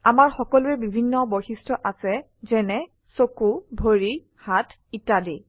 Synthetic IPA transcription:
amaɹxɔkɔlʊɛbibʱinːɔbojxistɹɔʔasɛ | zɛnɛ | sokubʱoɹi | hatʰ | itadi

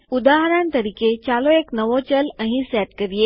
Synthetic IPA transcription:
ud̪aɦəɾãnt̪əɾiket͡ɕaloeknəʋot͡ɕələ̃ɦĩsɛt̪kəɾije

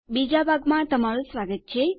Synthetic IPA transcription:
bid͡ʒabʱaɡmãt̪əmaɭũsʋaɡət̪̚t͡ʃʰe

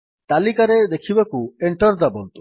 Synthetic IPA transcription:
t̪alikaɾed̪ekʰibakueɳʈɔɾd̪abolt̪u

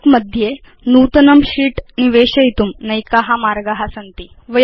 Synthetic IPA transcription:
kməd̪ʱje | nuːt̪ɐnɐmɕiːʈniʋeɕɐjit̪umnɐjkaɦamaɾɡaɦasɐnt̪i | ʋɐ

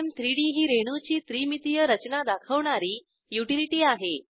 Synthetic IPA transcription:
nt̪ɾiɽiɦiːɾeɽ̃ut͡ɕiːt̪ɾimit̪ijəɾət͡ɕnad̪akʰəʋɳaɾiː | juʈiliʈiːaɦe

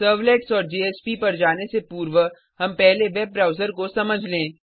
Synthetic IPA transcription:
səːɾʋleːʈsɔːɾd͡ʒeːespipɐɾd͡ʒaːnesepuːɾʋə | ɦɐmpɛɦleʋɛb̚bɾaːʊzəɾkosɐməd͡ʒʱlẽː

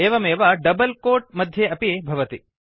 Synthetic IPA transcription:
eːʋɐmeːʋɐɖɐbɐlkoːɾʈ̚mɐd̪ʱjeɐpibʱɐʋɐt̪i

